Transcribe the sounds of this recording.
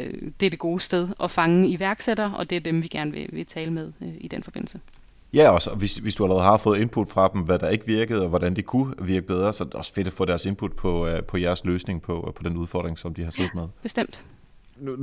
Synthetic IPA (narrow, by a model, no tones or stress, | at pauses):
d̥e̝æɐd̥e̝ɡ̥o̝ːsd̥eð̞ˠɒ̽fɑ̈ŋəiʋæɐɡ̥seɾ̥ɐʔɒ̽d̥e̝æɐd̥emʋiɡ̥æɐnʋe̝ʋe̝t͡sʰɛːləmeð̞ˠid̥enfɒb̥e̝n̰l̩sə | jæɒ̽sɒʋe̝sʋesd̥uælɐʁɛð̩ˠhɑ̈fɔ̽ːð̩ˠe̝npʰud̥fʁɑ̈d̥emʋæd̥ɑ̈e̝ɡ̥əʋiɐɡ̥əð̞̩ˠɒ̽ʋɒɾænd̥e̝kʰuʋiɐɡ̥əb̥eð̞ˠʁɐsɒ̽d̥eɒ̽sfe̝d̥ɒfɔ̰ːd̥æɐse̝npʰud̥̚pʰɒ̽pʰɒ̽jæɐsløːsne̝ŋpʰɒpʰɒ̽d̥enuð̞ˠfɒ̰d̥ʁeŋsɒ̽md̥ihɑ̈sḛːð̥̩ˠmeð̞ˠb̥e̝sd̥em̰d̥